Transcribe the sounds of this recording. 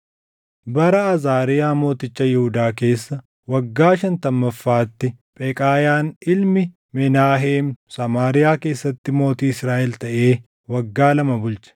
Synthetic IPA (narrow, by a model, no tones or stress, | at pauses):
bɐɾɐːzaːɾɪjaːmo̞ːt̪ɪt͡ʃːɐjɛhʊd̪aːke̞ːsːɐ | wɐɡːaːʃɐnt̪ɐmːɐfːaːt̪ːɪpʼɛkʼaːjaːnɪlmɪ | mɛnaːɦeːmsɐmaːɾɪjaːke̞ːsːɐt̪ːɪmo̞ːt̪iːɪsɾaːʔɛlt̪ɐʔe̞ː | wɐɡːaːlɐmɐbʊlt͡ʃɐ̥